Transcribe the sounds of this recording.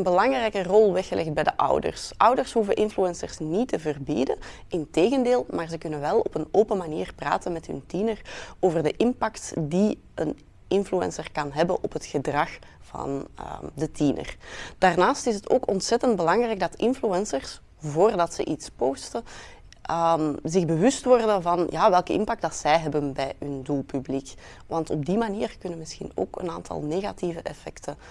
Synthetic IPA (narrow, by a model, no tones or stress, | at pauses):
ənbəlɑŋrɛjkərɔlˠʋɛxəlʔɛxd̚bɛjdəʔʌ̰wdə̰rsʔʌwdərsɦuvəʔɪnfluɛnsərsnitəvərbḭdə | ɪnteːɣəndeːlˠmaːrzəkʏnənʋɛlˠɔpənoːpəmaniːrpra̰ːtənmɛtɦɵ̰ntinəroːvərdəʔɪmpɑktdi | ən | ɪnfluɛ̰nsərkɑnɦɛbənʔɔpɦətxədrɑx | v̥ɑ̰ndətʰinə̰rd̥aːrnaːstɪsətʰo̰ːkɔntsɛtəndbəlɑŋrɛjɡ̚dɑtɪnfluɛnsərs | voːrdɑtsə̰ʔitspoːstə | ʔəmzɪɣbəʋʏstʋɔrdənvɑnjʔaːʋɛlˠkəɪ̰mpɑɡ̚dɑtsɛjɦɛbənbɛjɦɵnduːlˠpyblik | ʋɑntɔ̰b̚dimaniːrkʏnənmɪsxḭno̰ːkə̰naːntʰɑ̰lˠneːɣa̰tivəʔɛfɛktʰə